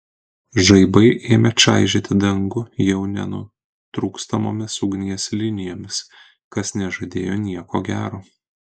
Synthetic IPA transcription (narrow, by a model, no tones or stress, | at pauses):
ʒɐɪbɐɪʔeːmʲɛt͡ʃʲɑ̰ˑɪʒʲet̪ʲɪd̪ɐŋɡʊjɛʊnʲɛ̰nʊ̰ | t̪ɾuːkst̪ɐmoːmʲɪsʊɡnʲiɛslʲɪnʲɪjoːmʲɪs | kɐsnʲɛʒɐd̪ʲeːjoːnʲiɛko̰ːɡʲæːɾoː